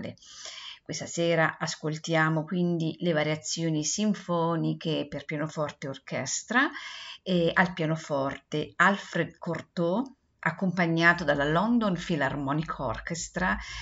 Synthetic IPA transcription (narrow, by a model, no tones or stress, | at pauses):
lḛkwest̪asɛːɾaʔaskolt̪jaːmokwind̪ilevaɾjat̪sːjoːnisiɱfɔːnikeperpjaːnofɔrt̪eorkɛst̪ɾaealpjaːnofɔrt̪ealfɾed̪kort̪o | ʔakːompaɲːaːt̪od̪alalɔnd̪onfilarmɔnikʰoɔ̰rkest̪ɾa